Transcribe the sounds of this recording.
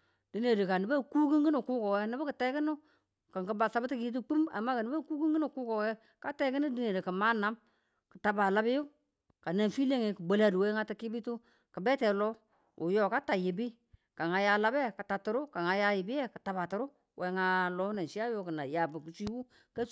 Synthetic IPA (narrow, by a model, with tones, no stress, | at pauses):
d̥i˨˦ne˨ɾi˨ka˨nɪ˨ba˦ku˦ki˦ŋɡi˦nu˨ku˦ko˨wɛ˦nɪ˦bʊ˦kə˨te˦kɪ˦nʊ˦ | ka˨ŋkə˨˦ba˨sa˨˦bti˦ki˦t̬u˦k͡pi˦ma̰˨mːa˦ka˨n˦ba˦ku˦ki˦ŋɡi˦nu˨ku˦ko˨wɛ˦ | ka˦te˦kɪ˦nu˦di˦ne˨ɾi˨kə˨ma˦na˨˦m | kə̥˨ta˨ba˨la˦bɪ˦ju˦ | ka˨ne˨nfi˦le˦ŋe˨kə˨ɡ͡be˨la˨du˨we˦ŋa˦ta˦ki˦bi˦tu˦ | kə˨be˦te˨lɔ˦ | u˨jo˨ka˦ta˨ji˨bi˦ | ka˨ŋa˨ja˦la˦be˦ka˨ta˨tu˨ɾʊ˦ka˨ŋa˨ja˦jɪ˨bɪ˦e˦kə˨ta˨ba˨tɪ˨ɾʊ˦ | wʔe˨˦ŋa˦lo˦ne˨ʃi˦a˦jo˦kə˨na˨ja˨bu˨ki˨t͡ʃi˦wu˦ | ka˦